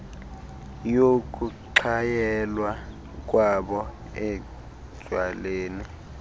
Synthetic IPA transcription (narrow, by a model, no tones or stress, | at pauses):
jok̬ʼuǃʰajɛlwa | k̬ʼwaɓɔ | ɛ | d̥ʒ̥ʱwaleːni